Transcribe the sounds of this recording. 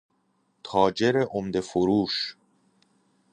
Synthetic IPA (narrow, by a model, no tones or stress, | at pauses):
t̪ʰɒːd͡ʒe̞ɾeʔomd̪e̞foɾuːʃ